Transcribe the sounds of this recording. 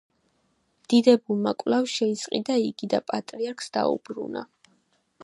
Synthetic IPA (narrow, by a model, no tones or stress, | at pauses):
md̪̥id̪ɛbulˠmakʼlˠavʃɛisʼqʼḭd̪aiɡid̪apʼat̪ʼɾiaɾkʰsd̪a̰ṵbɾṵna̰